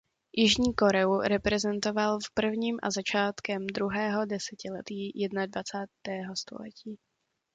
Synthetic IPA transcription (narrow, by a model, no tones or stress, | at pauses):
jʔɪʒɲiːko̞ɾɛuɾɛpɾɛzɛnt̪o̞valfpr̩vɲiːmʔa̰zat͡ʃaːt̪kɛmd̪ɾuɦɛːɦo̞dɛsɛcɪlɛt̪iːjɛdnadvat͡saːt̪ɛːɦo̞st̪o̞̰lɛ̰ciː